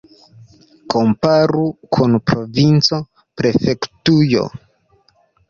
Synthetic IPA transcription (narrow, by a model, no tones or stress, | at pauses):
ko̞mpaɾukʰunpɾo̞vint͡so̞ | pɾe̞fe̞ktujo̞̰